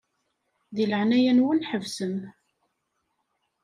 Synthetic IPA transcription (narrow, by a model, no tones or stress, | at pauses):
ðiləʕnæjænwænħəvsəm